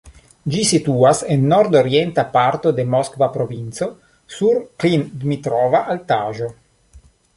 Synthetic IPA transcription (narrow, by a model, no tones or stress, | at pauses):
d͡ʒisit̪uasenːoɾd̪oɾjent̪apaɾt̪od̪emɔskovapɾovinso | suɾklind̪mit̪ɾovaʔalt̪aːʒo